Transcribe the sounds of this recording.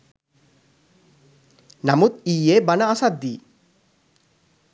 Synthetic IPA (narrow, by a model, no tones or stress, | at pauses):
namut̪iːebanaasat̪̚d̪iː